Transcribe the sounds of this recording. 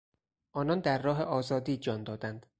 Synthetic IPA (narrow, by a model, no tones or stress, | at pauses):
ʔɒːnɒnd̪æɾːɒːɦeʔɒːzɒːd̪iːd͡ʒɒːnd̪ɒːd̪ænd̪̥